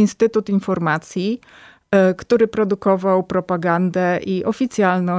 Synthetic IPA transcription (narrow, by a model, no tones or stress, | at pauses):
inst̪ɘt̪ut̪infɔɾmat̪sʲji | kt̪uɾɘpɾɔd̪ukɔvawpɾɔpaɡand̪ɛʔiʔɔfʲit̪sʲjalnɔ̃